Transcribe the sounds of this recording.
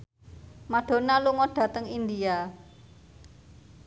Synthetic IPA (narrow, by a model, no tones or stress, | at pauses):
maɖ̥o̤naluŋɔɖ̥ä̤t̪əŋind̪ia